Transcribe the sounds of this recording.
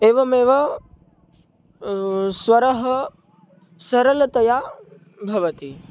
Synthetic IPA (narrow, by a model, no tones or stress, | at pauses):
eːʋɐmeːʋɐ | sʋɐɾɐɦɐ | sɐɾɐlɐt̪ɐjaː | bʱɐʋɐt̪i